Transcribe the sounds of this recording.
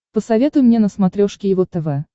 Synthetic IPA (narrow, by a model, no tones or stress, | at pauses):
pəsɐvʲet̪ʊjmnʲenəsmɐt̪ɾʲoʂkʲɪjɪvɔt̪ɛvɛ